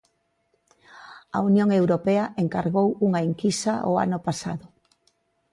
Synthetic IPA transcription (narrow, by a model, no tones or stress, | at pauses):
ɐ̰unjoŋewɾopɛɐʔeŋkaɾɣowuŋɐeŋkisɐʔoa̰nʊpasa̰ðʊ